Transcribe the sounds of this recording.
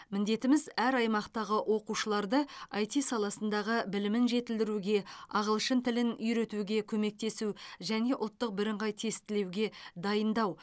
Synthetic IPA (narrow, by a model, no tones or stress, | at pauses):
mɪnd̪e̞t̪ɪmɪzæɾɑjmɑqt̪ɑʁəʔwʔo̞quʃəlˠɑɾd̪əɑjt̪isɑlˠɑsənd̪ɑʁəbɪlɪmɪnʒe̞t̪ɪld̪ɪɾuɡʲe̞ɑʁəlˠʃənt̪ʰɪlɪnʏjɾe̞t̪uɡʲe̞kʲʰɵme̞k̚t̪e̞suʒæne̞ʔʊlˠt̪ːəq̚bɪɾɪɴʁɑjt̪ʰe̞st̪ɪle̞wɡʲe̞d̪ɑjənd̪ɑw